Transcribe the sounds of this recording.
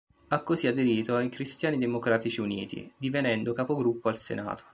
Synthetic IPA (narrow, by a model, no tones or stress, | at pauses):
akːosiad̪eɾiːt̪oaikɾist̪jaːnid̪emokɾaːt̪it͡ʃiunḭːt̪ḭd̪ivenɛnd̪okapoɡɾupːoalsḛna̰ːt̪o̥